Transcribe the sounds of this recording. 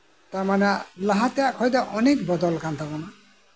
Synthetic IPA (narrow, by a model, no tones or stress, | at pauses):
t̪aɾmanelaɦat̪ejakhɔjd̪aʔɔnekbɔd̪ɔlkant̪ʰabɔna